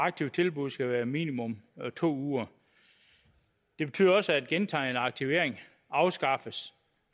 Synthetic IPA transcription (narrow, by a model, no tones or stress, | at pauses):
ɑ̈ɡ̥̚t͡sʰiʊt͡sʰe̝lb̥uð̞̰ˠsɡ̥æʋæːɐmḭːnimɔ̽mt͡sʰo̝̰ːuːɐ | d̥e̝b̥e̝t͡sʰyːðˠɒ̽səæd̥̚ɡ̥ent͡sʰɑ̰̈ːe̝nɑ̈ɡ̥̚t͡sʰiʊe̝ɐ̰eŋ | ɑ̈ʊsɡ̥ɑ̈fəs